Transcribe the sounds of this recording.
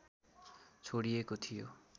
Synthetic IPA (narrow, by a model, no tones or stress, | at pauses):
t͡ɕʰoɽiekot̪ʰijo̰